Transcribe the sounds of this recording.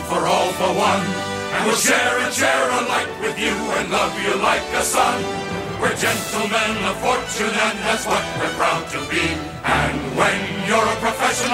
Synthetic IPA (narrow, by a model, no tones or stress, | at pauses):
fə˞ɔlˠðəwʌ̃n | ɨ̃wɪlˠʃɛɹɨt͡ʃʰɛɹəlaɪk̚wɨðjɨɨ̃nlʌvjɨlaɪkɨsʌ̃n | wə˞d͡ʒɛ̃ntˡl̩ˠmɨ̃nəv̥fɔɹt͡ʃɨ̃nɨ̃nɨzwʌt͡ʃ̚wəfɹãʊ̃ntʰɨbi | ʔɨ̃nwɨ̃njə˞əpʰɹ̥əfɛʃɨn